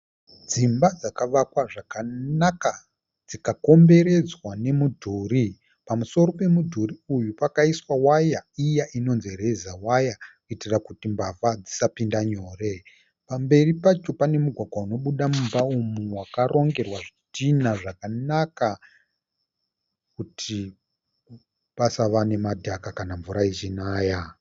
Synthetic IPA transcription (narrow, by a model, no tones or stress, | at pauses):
d͡zimbad͡zakaʋakwaʐakanaka | d͡zikako̞mbe̞ɾe̞d͡zwane̞mudʱuɾi | pamuso̞ɾo̞pe̞mudʱuriujupakaiswawajaijaʔino̞nziɾe̞zawajakuitirakutimbavad͡zisapindaɲoːre̞ | pambe̞ripat͡ʃo̞pane̞muɡʱwaɡʱwauno̞ɓuɗamumbaumuwakaro̞ŋɡe̞rwaʐitinaʐakanaka | kutʰi | pasaʋane̞madʱakakanaɱvuɾait͡ʃinaːja